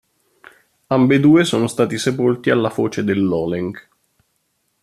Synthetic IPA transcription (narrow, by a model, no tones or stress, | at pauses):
ambed̪uːesoːnost̪aːt̪isepolt̪ialːafoːt͡ʃed̪elːɔːleŋk